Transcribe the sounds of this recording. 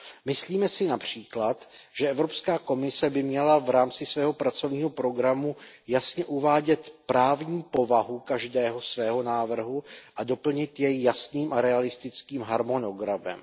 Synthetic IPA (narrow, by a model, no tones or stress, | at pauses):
mɪsliːmɛsɪnapr̝̥iːklat̪ʒ̥ɛʔɛvɾo̞pskaːko̞mɪsɛbɪmɲɛlavɾaːmt͡sɪsvɛːɦo̞pɾat͡so̞vɲiːɦo̞pɾo̞ɡɾamujasɲɛʔuvaːɟɛt̪pɾaːvɲiːpo̞vaɦukaʒdɛːɦo̞svɛːɦo̞naːvr̩ɦuʔado̞pl̩ɲɪt̪jɛjːasniːmʔaɾɛalɪst̪ɪt͡skiːmɦaɾmo̞no̞ɡɾamɛ̰m